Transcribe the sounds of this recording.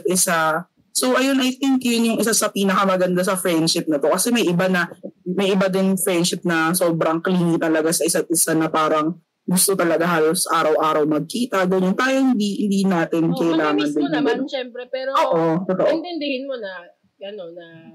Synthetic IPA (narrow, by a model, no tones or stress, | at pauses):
t̪̚ʔɪsa | so̞wʔɐjo̞nʔɐjθɪŋkjʊnjʊŋʔɪsasɐpiːnɐkɐmɐɡɐnd̪asɐfɹɛnd̪ʃɪp̚nɐt̪o̞kɐsɛmɐjʔɪbanɐmɐjʔɪbad̪ɪnfɹɛnd̪ʃɪp̚nɐsoːbɾɐŋkɐliŋɪt̪ɐlɐɡasɐʔɪsat̪̚ʔɪsanɐpaːɾɐŋ | ɡʊst̪ot̪ɐlɐɡaɦhaːlosʔaːɾɐwʔaːɾɐwmɐɡ̚kiːt̪ɐɡɐɲont̪aːjohɪnd̪ihɪnd̪inaːt̪ɪnkɐʔɪlaːŋɐnd̪ɪnɐnɛmɾɛpɛːɾoːʔot̪ot̪oʔnt̪ɛnd̪ɪhɪnmonɐ | ɡɐnonɐ